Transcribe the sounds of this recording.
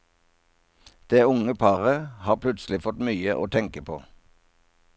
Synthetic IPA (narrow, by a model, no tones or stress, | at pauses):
d̪̥eːʊŋəpʰɑʁəhɑːʁpʰlʉt̪slɪfɔt̪myːəʔo̰ːt̪ʰɛŋkəpʰo̰ː